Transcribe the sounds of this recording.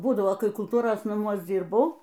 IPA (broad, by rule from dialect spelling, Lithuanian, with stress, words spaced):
ˈbuːdɐʋoː ˈkɐɪ kʊlˠˈtuːroːs nɐˈmuɔs ˈd͡zʲiːrbɐʊ